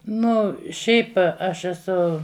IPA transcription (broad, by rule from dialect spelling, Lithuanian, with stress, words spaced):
ˈnʊ ˈʃʲɛɪp ˈɐʃ ɛˈsʊ